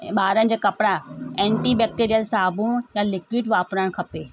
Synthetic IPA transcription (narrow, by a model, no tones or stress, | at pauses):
ɓaːɾənɪ̆d͡ʑaːkɐpɽaɛ̃ːɳʈiɓeːk̚ʈeːɾijəlsaːbʱũjalɪkwiɖʋaːpɾəɽ̃kʰɐpeː